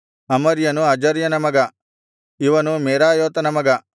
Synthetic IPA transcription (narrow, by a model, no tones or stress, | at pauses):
ɐmɐɾjɐnuɐd͡ʒɐɾjɐnɐmɐɡɐ | iʋɐnumeːɾaːjoːt̪ɐnɐmɐɡɐ